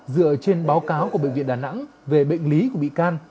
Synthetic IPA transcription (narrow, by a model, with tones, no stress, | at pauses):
zɨ̰˧˨ət͡ɕe˧nɓaː˨˦wkaː˨˦wku˧˩əɓḛ˧˨ŋvḭ˧˨ə˨ɗaː˨˩na̰˧˥ŋve˨˩ɓə̰˧˨jŋ̟li˨˦ku˧˩əɓḭ˧˨kaː˧n